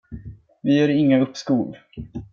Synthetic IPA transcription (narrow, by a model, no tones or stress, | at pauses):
vɪhœɾɪŋːaɵpːskuːl